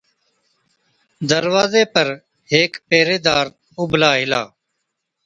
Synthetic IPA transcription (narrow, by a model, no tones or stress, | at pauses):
d̪əɾʋaːzeːpəɾ | heːkpeːɾeːd̪aːɾ | ʊblaːɦɪla̰ː